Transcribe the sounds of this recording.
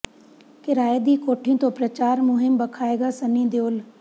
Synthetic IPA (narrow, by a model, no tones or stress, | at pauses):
kɪɾaːed̪iːkoːʈʰijũt̪õpɾɐt͡ɕaːɾmʊɦɪmbɐkʰaːeːɡaːsɐnĩd̪eoːl